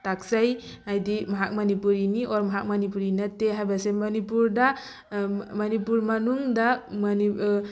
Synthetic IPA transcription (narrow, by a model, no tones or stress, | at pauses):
taksaj | ajdimaɦak̚manipuɾiniʔɔɾmaɦak̚manip̬uɾinateɦajbasemanipuɾda | manipuɾmanuŋdamni